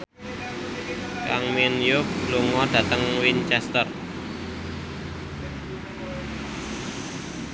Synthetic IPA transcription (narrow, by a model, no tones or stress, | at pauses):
kaŋminjʊk̚luŋɔɖ̥ä̤t̪əŋwint͡ʃɛst̪ər